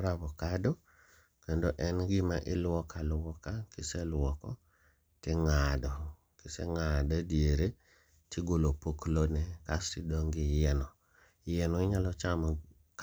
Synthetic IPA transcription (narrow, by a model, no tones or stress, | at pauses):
ɾabɔkado | kendoʔɛnɡɪmaʔɪlwɔkalwɔkakɪselwɔkɔ | tɪŋadɔ | kɪsḛŋadadjeɾe | tiɡolopoklonɛkasidɔŋɡɪjɛnɔ | jɛnɔɪɲalɔt͡ʃamɔ | k